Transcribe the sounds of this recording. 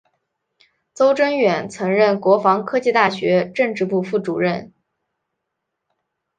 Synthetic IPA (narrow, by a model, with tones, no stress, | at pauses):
t͡so˥ʊʈ͡ʂə˥ŋɥɛ˨˩nt͡sʰɤ˧˥ŋɻə˥˩nkwɔ˧˥fɑ˧˥ŋkʰɤ˥t͡ɕi˥˧t̪a˥˩ɕɥɛ˧˥ʈ͡ʂɤ˥˧ŋʈ͡ʂɻ̩˥˧pu˥˧fu˥˩ʈ͡ʂu˨˩ɻə˥˩n